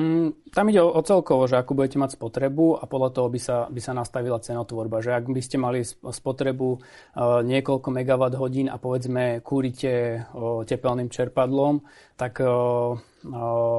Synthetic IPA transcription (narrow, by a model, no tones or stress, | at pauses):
t̪amiɟɛɔʔɔt͡sɛlkɔʋɔʒɛakubuɟɛcɛmacspɔt̪ɾɛbuapɔd̪lat̪ɔɦɔbisabisanast̪aʋilat͡sɛnɔt̪ʋɔɾbaʒɛaɡbiscɛmalispɔt̪ɾɛbu | ɲɪɛkɔlkɔmɛɡaʋad̪ɦɔɟiːna̰pɔʋɛd͡zmɛkʰuːɾicɛcɛpɛlnimt͡ʃɛɾpad̪lɔm | t̪ak